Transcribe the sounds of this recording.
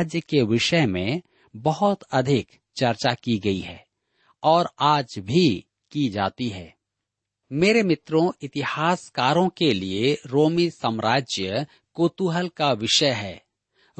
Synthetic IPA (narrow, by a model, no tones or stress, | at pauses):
d͡ʒjəkeʋɪʃəmẽ | bɐɦʊt̪ɐd̪ʱɪk | t͡ʃɐɾt͡ʃakiɡɐiɦɛː | ɔːɾaːd͡ʒbʱi | kid͡ʒa̰ːt̪iɦɛː | meːɾemɪt̪ɾõɪt̪ɪhaːskaːɾõkelieɾoːmisəmɾaːd͡ʒjə | koːt̪uɦəlkaʋɪʃəjɦɛː